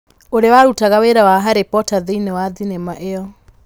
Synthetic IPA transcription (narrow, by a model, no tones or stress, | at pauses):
oɾewaɾutaɣaweɾawaɦaɾepɔtaðeinewaðinemaʔeɔ